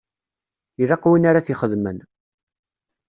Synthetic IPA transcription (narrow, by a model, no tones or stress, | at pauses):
iðɑqwinaɾaθiχəðmən